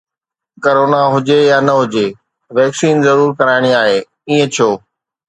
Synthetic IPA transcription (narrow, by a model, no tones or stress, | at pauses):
kɐɾoːnaɦʊd͡ʑejaːnɐɦʊd͡ʑeː | ʋɛːksiːnzɐɾuːɾkɐɾaːɪɽ̃iaːɦeː | iːə̃t͡ɕʰoː